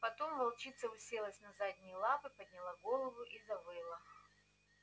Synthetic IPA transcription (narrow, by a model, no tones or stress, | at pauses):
pɐt̪o̞mvɐlˠt͡ɕit̪səvɨsʲelˠəsʲnɐzad̪ʲnʲɪjəlˠapɨpəd̪̚ʲnʲɪlˠaɡo̞lˠəvʊʔizɐvɨlˠə